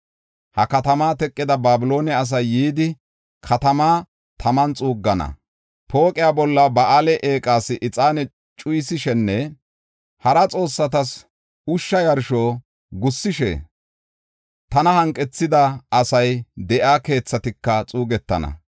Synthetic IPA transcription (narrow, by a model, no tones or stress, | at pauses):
hɐkɐt̪ɐmaːt̪ɛkʼːɪd̪ɐbaːbɪlo̞ːnɛɐs̬ɐjːiːd̪ɪ | kʰɐt̪ɐmaː | t̪ʰɐmɐnt͡sʼuːɡːɐnɐ̰ | po̞ːkʼɪjaːbɔlːɐbɐʔaːlɛʔe̞ːkʼaːsɪʔɪt͡sʼaːnɛ | t͡ʃʼʊjɪsɪʃɛnːɛ | hɐɾɐt͡sʼo̞ːsːɐt̪̬ɐs | ʊʃːɐjɐɾʃoː | ɡʊsːɪʃɛ̰ | t̪ɐnɐhɐŋkʼːɛt͡sːɪd̪ɐːsɐjd̪ɛʔaːke̞ːt͡sːɐt̪ɪkːɐt͡sʼuːɡɛt̪ːɐ̰nɐ̰